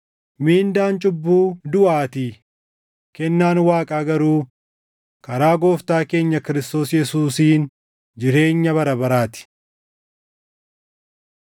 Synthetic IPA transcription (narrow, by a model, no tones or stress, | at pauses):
miːnd̪aːnt͡ʃʼʊbːuːd̪ʊʔaːt̪i | kɛnːaːnwaːkʼaːɡɐɾuː | kɐɾaːɡo̞ːft̪aːke̞ːɲːɐkɪɾɪst̪o̞ːsjɛsuːsiːn | d͡ʒɪɾe̞ːɲːɐβɐɾɐbɐɾaːt̪ɪ̥